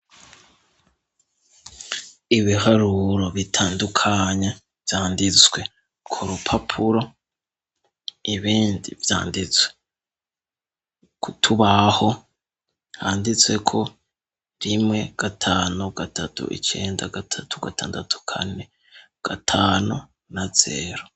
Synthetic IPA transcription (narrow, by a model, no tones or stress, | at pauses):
iβihaɾuɾo̞βitʰaːndukʰaɲe | vjaːndit͡swe̞ | kʰuɾupʰapʰuɾo̞ | iβiːndivja̰ːndit͡swe | kutʰuβaho̞ | haːndit͡swe̞kʰo̞ | ɾimŋe̞ɡ̥atʰaːnuɡ̥atʰatṵʔḭt͡ʃe̞ːndaɡatʰatʰu̥ɡatʰaːndatʰu̥kʰa̰ne̞ | ɡ̥atʰaːnu | naz̥e̞̰ɾo